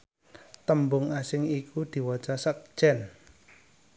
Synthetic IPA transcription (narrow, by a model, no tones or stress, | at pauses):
t̪əmbʊŋasɪŋikud̪̥i̤wḁt͡ʃasək̚ʒ̥ɛn